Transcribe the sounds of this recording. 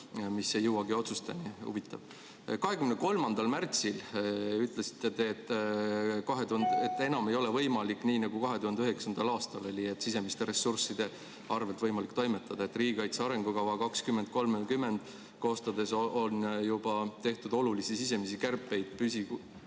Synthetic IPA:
misːejɤwɑɡio̞t̪su̥st̪ɑnihṵvit̪ːˑɑ̰v̥ | kɑɦe̞kymneko̞lmɑnd̪̥ɑlmært̪silyt̪lesi̥t̪ːˑet̪e̞t̪ːˑ | kɑɦe̞t̪uhnd̪et̪ːˑe̞nɑme̞jo̞le̞vɤjmɑlikːˑniːnɑɡ̥ukɑɦe̞t̪uhɑnd̪eyɦeksɑnd̪̥ɑlɑːst̪ɑlo̞lʲiet̪ːsise̞mist̪e̞ɾe̞sːursid̪̥e̞ | ɑrve̞lt̪vɤjmɑlikːˑt̪o̞jme̞t̪ˑːɑd̪̥ɑe̞t̪ːˑriːɡi̥kɑjt̪seɑɾe̞ŋɡ̥ukɑwɑkɑkskymːed̪̥̚ko̞lmekymːe̞nd̪̥ | ko̞ːst̪ɑd̪e̞so̞njubɑt̪e̞ht̪ud̪̥o̞lulisisis̬e̞misikærpːˑe̞jd̪̥̚pysi

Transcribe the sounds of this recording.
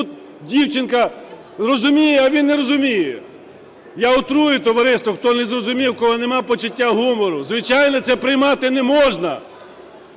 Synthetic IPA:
ut̪ | dʲiwt͡ʃɪnkɐ | rɔzʊmʲijɛɐʋʲinːeɾɔzʊmʲijɛ | jaʊt̪ɾujʊt̪ɔʋɐɾɪst̪ʋɔxt̪ɔnɛzrɔzʊmʲiwkɔlˠɪnemɑpɔt͡ʃʊtʲːaɦumɔɾʊzʋɪt͡ʃɑjnɔt̪sɛpɾɪjmɑt̪ɪnɛmɔʒnɐ

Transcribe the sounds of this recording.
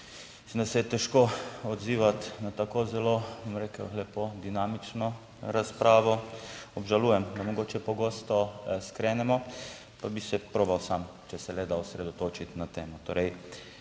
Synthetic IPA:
misimd̪asɛjɛt̪ɛʃkoɔd̪ziːʋat̪nat̪akoːzɛlobɔmɾekəwlɛpod̪inaːmit͡ʃnɔ | ɾaspɾaːʋɔɔbʒaluːjɛmd̪amɔɡoːt͡ʃɛpɔɡoːst̪ɔskɾɛːnɛmɔ | pabisɛpɾoːbawsam | t͡ʃɛsɛlɛd̪aʊsɾɛd̪ɔt̪oːt͡ʃit̪nat̪eːmɔt̪o̰ːɾɛj

